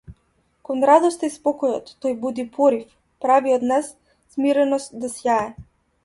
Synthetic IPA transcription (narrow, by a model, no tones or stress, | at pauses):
kɔnɾad̪ɔst̪aispɔkɔjɔt̪ːɔjbud̪ipʰɔɾif | pɾaviɔd̪nɛsː | miɾɛnɔst̪̚d̪asjaɛ